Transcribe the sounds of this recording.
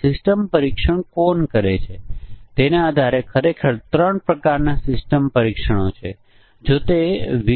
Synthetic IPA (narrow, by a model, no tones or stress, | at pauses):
sɪsʈəmpəɾikʃəɳ̃konkəɾet͡ʃʰet̪enaːd̪ʱaɾekʰəɾekʰəɾt̪ɾəɳpɾəkaɾnasɪsʈəmpəɾikʃəɽ̃ot͡ʃʰḛ | d͡ʒot̪eʋi